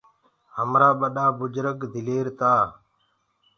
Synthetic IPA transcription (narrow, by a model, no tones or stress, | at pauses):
ɦəmɾaːɓəɗaːbʊd͡ʒɾəkd̪ʱɪleːɾt̪aː